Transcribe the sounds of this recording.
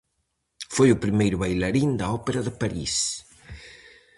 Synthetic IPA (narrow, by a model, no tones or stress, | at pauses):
fojʊpɾimejɾʊβajlɐɾind̪ɐɔpeɾɐðəpaɾḭs